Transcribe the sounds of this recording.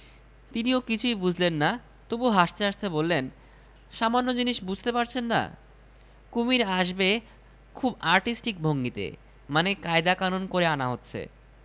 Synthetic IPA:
t̪iniokit͡ɕʰujbud͡ʑʱlenːa | t̪ubuɦaʃt̪eaʃt̪ebolːen | ʃamanːod͡ʑiniʃbud͡ʑʱt̪epaɾt͡ɕʰenːa̰ | kumiɾaʃbe | kʰubaɾʈisʈik̚bʱoŋɡit̪ḛ | manekaed̪akanonkoɾeanaɦotːɕʰḛ

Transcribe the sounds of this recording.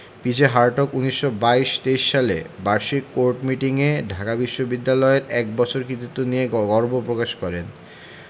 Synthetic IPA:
pid͡ʑeɦaɾʈokuniʃːobaiʃt̪eiʃːalḛbaɾʃikːoɾʈmiʈiŋeɖʱakabiʃːobid̪ːalɔeɾɛk̚bɔt͡ɕʰoɾkit̪it̪ːonieɡɔɾbopɾokaʃkɔɾen

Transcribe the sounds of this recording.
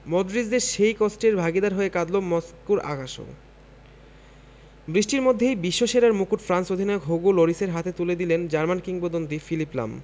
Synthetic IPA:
mod̪ɾid͡ʑd̪eɾʃejkosʈeɾbʱaɡid̪aɾɦoekad̪lomoskuɾa̰ɡʱaʃo̰ | bɾiʃʈiɾmod̪ʱːejbiʃːoʃeɾaɾmukuʈfɾansod̪ʱinaokɦoɡuloɾiseɾɦat̪et̪uled̪ilend͡ʑaɾmankiŋbod̪ont̪ifilipla̰m

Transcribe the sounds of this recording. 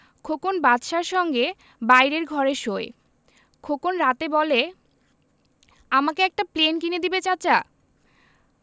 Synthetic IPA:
kʰokonbat̪ʃaɾʃɔŋɡe | bajɾeɾɡʱɔɾeʃoe | kʰokonɾat̪ebɔle | amakeɛk̚ʈaplenkined̪ibet͡ɕat͡ɕa

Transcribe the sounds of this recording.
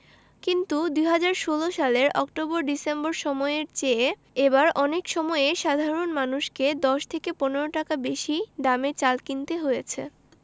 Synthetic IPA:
kint̪ud̪ujɦad͡ʑaɾʃoloʃaleɾɔkʈoboɾɖisemboɾʃɔmɔeeɾt͡ɕe | ebaɾɔnekʃɔmɔeeʃad̪ʱaɾonmanuʃked̪ɔʃt̪ʰekeponeɾoʈakabeʃiɖamet͡ɕalkint̪eɦojet͡ɕʰḛ

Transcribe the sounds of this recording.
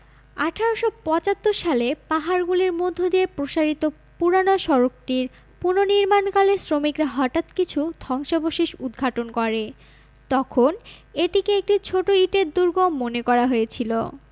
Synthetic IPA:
aʈʰaɾoʃopɔt͡ɕat̪ːoɾʃalepaɦaɾɡuliɾmod̪ʱːod̪iepɾoʃaɾit̪o | puɾanoʃɔɾok̚t̪iɾ | punoniɾmankaleɾsɾomikɾaɦɔʈat̪kit͡ɕʰud̪ʱɔŋʃaboʃiʃud̪ʱɡʱaʈonkɔɾe | t̪ɔkʰoneʈikeek̚ʈit͡ɕʰoʈoiʈeɾ̚d̪uɾɡommːonekɔɾaɦoet͡ɕʰilo̰

